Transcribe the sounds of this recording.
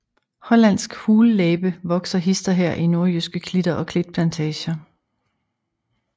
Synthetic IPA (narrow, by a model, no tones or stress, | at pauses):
hɒ̽læn̰sɡ̥huːlleːb̥əʋɒ̽ɡ̥sɐɦisd̥ɐɦɛɐ̰ʔino̝ɐjysɡ̥əkʰlid̥ɐʔɒ̽kʰle̝d̥̚pʰlænt͡sʰɛːɕɐ